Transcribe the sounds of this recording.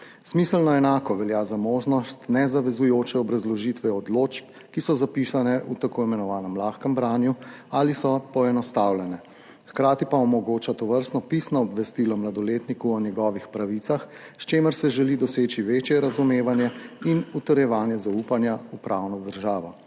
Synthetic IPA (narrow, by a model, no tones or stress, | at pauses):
smisəlnɔɛnaːkɔʋɛljaːzamoːʒnɔst̪nɛzaʋɛzujoːt͡ʃɛɔbɾazlɔʒit̪ʋɛɔd̪loːt͡ʃp | kisɔzapisanɛut̪akoːimɛnɔʋaːnɛmlaːxkəmbɾaːnjualisɔpɔɛnɔst̪awlɛnɛ | xkɾaːt̪ipaɔmɔɡoːt͡ʃat̪ɔʋəɾst̪nɔpisnɔːbʋɛst̪ilɔmlad̪ɔleːt̪nikuɔnjɛɡɔːʋixpɾaʋit̪sax | st͡ʃeːməɾsɛʒɛlid̪ɔseːt͡ʃiʋeːt͡ʃjɛɾazumeːʋanjɛinut̪əɾjɛʋaːnjɛzaupanjaupɾawnɔd̪əɾʒaːʋɔ